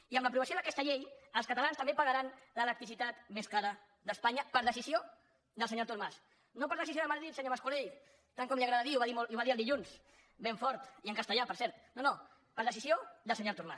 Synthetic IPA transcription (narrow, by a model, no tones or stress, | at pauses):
iəmləpɾuβəsioðəkɛst̪əʎejəlskət̪alanst̪əmbepaɣəɾanlələk̚t̪isit̪at̪mesklaɾə | ðəspaɲəpəɾðəsizio | ðəlˠsəɲoɾt̪uɾmas | nopəɾðəsis̬oðəməðɾit̪səɲoməskulej | t̪aŋkɔmliaɣɾaðəðiuβaðimoliuβaðialˠd̪iʎuns | βeɱfɔɾt̪iəŋkəst̪əʎapəɾsɛɾt̪nono | pəɾðəsizioðəlˠsəɲoɾt̪uɾma̰s